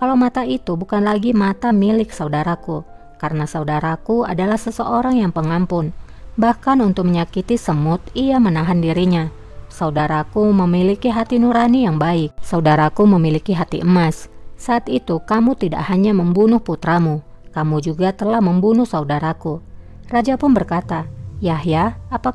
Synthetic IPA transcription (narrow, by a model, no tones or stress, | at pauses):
kalawmat̪ait̪ubukanlaɡimat̪amilɪksaudaɾaku | kaɾənasaudaɾakua̰dalahsəsəʔoɾaŋjaŋpəŋampʊnbahkanunt̪ʊk̚məɲakit̪isəmʊt̪iamənaɦandiɾiɲa | saudaɾakuməmilikiɦat̪inuɾanijaŋbaɪk̚saudaɾakuməmilikiɦat̪iʔəmasːaːt̪it̪ukamut̪ida̰ʔhaɲaməmbunʊhput̪ɾamu | kamud͡ʒuɡat̪əlahməmbunʊhsaudaɾaku | rad͡ʒapʊnbərkat̪ajaɦjaːpa